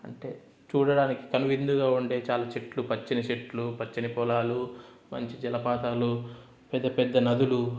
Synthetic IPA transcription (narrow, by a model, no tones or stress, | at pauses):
ɐ̰ɳʈe̞ː | t͡ʃuːɽɐɽaːniki̥kɐnuʋind̪uɡaːuɳɖe̞ːt͡ʃaːlaːt͡ʃeʈlupɐt͡ʃːinɐt͡ʃeʈːlupɐt͡ʃːinipɔlaːlu | mɐ̰ɲt͡ʃid͡ʒɛlɐpaːt̪aːlu | pɛd̪ːɐpɛd̪ːɐnɐd̪ulu